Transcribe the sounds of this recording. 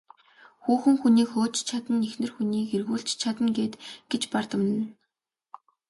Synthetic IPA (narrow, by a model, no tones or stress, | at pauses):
xuːxɘ̆ŋxuniːkxoːt͡ɕt͡ɕʰat̪ə̆nːexnɘ̆rxuniːkerɣuːɬt͡ɕt͡ɕʰat̪ə̆nɡeːt̪ɡ̥et͡ɕpart̪ə̆m̆nn